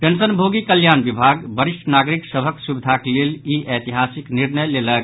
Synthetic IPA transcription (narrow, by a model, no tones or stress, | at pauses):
pensənbʱoɡikəljanbibʱaɡbəɾiʃʈənaɡɾiksəbʱəksubid̪ʱakeleliʔet̪iɦasikniɾnəjlelək̚